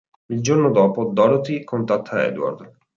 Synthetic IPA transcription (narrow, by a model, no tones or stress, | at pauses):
ild͡ʒornod̪ɔːpod̪ɔɾot̪ikʰont̪at̪ʰːaɛ̰d̪wa̰rd̪